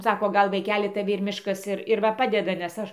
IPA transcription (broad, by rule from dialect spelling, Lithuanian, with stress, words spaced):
ˈsɑːkoː ˈɡɐlˠ ʋɐɪˈkʲæːlʲɪ tɐˈʋʲɪ ɪr ˈmʲɪʃkɐs ˈɪr ɪr ˈʋɐ ˈpɑːdʲɛdɐ nʲɛs ˈɐʃ